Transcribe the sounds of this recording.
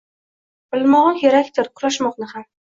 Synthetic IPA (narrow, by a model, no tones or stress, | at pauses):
b̥ɪlmɒʁɒnjeɾakʲt̪ɪɾqʰʊɾaʃmɒqnɪham